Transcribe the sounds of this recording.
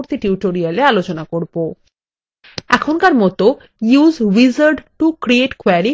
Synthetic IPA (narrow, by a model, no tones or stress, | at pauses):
oɾt̪iʈuuʈoɾialealot͡ɕonakoɾbo | ɛkʰonkaɾmɔt̪o | juzʋizaɾɖʈukɾieʈkweɾi